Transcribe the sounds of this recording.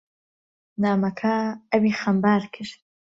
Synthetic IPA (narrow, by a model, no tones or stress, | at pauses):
naːmɐkʰaɐwiːxɐmbaːɾkʰɨɾt̪̚